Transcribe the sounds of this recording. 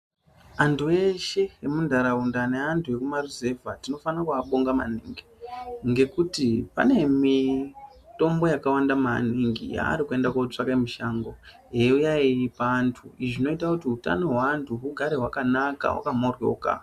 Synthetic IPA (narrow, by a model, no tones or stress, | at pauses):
antue̞ʃe̞emundʱaɾaundane̞antʰue̞kumarize̞vʱatino̞fanakuaɓoŋɡama̰nḭːŋɡiŋɡe̞kutipa̰ne̞mi | to̞mbo̞jakawandamaniŋɡḭja̰ːɾikue̞ndakot͡ʂakamiʃaŋɡo | jeujaiipaːntʰuiʐino̞itakutiuta̰noɦwaːntʰuɦuɡʱaɾeɦwakanaka̰ɦwa̰kamorwo̰ka̰